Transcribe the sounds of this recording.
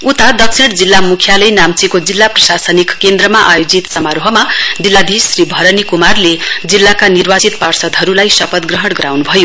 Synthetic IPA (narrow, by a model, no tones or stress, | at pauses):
ut̪ad̪ʌk̚sʰiɽ̃d͡zilːamukʰjalʌjnamt͡sikod͡zilːaprʌsasʌnikkend̪rʌmaʔajod͡zit̪sʌmaɾɦʌmad͡zilːab̪ʱisribʱʌɾʌnikumarled͡zilːakanirbat͡sit̪parsʌd̪ʱɦʌɾulajsʌpʌt̪ɡrʌɦʌɽɡʌɾawnubʱʌjo